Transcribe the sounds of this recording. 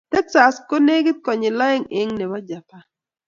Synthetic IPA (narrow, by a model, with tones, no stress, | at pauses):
t̪ɛ˦ksa˨sko˦ne˦ɡɪ˦t̪̚kɔ˨ɲɪ˨lɔ˦ɪ˦ŋɪ˦ŋne˨ba˦d͡ʒa˨pa˦